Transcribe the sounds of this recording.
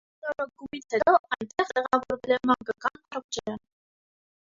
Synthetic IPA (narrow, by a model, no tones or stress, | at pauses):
nɔɾəɡumit͡sʰhɛt̪ɔɑjnt̪ɛχɛʁɑvɔɾvɛlɛmɑŋɡəkɑnɑɾɔk̚t͡ʃʰɛɾə